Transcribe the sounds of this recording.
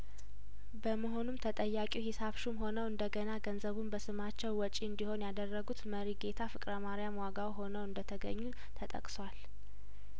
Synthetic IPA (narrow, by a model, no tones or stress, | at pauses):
bəməɦo̞numt̪ʰət̪ʼəjːakʼihisaβʃumho̞nəwɨnd̪əɡənaɡənzəβumbəsɨmat͡ʃːɛwːɔt͡ʃʼiɨnd̪iho̞njad̪ərːəɡut̪məɾiɡe̞t̪ʰafɨkʼɾəmaɾijamwaɡawiɦo̞nəwɨnd̪ət̪ʰəɡəɲːu | t̪ʰət̪ʼə̰kʼswal